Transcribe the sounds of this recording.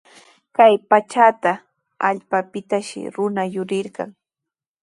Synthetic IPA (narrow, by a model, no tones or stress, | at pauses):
kajpat͡ʃat̪a | aʎpapɪt̪aʃɪ̰ɾʊnajʊɾɪɾɢɑ̰ŋ